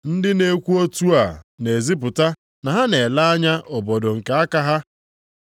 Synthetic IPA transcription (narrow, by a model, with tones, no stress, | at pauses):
n̩˦dɪ˦ne˨kʷu˦o˦tu˦a˨ne˨zi˦p̬ʊ˨ta˦ | na˨ɦa˦ne˨la˦a˦ɲa˦ʔo˨bo˨do˨ŋ̩˨ke˨a˦ka˦ɦa˦